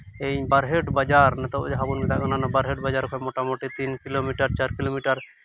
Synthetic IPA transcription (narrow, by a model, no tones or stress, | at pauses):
ejbaɾɦeʈbad͡ʒaɾnɛt̪ɔṵd͡ʒɦabunit̪akɔnanabaɾɦeʈbad͡ʒaɾkʰɔmoʈamoʈit̪inkilomiʈaɾt͡ʃaɾkilomiʈaɾ